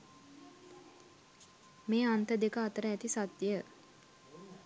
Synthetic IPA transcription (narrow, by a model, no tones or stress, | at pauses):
meːant̪əd̪ekəat̪əɾəæt̪isat̪jə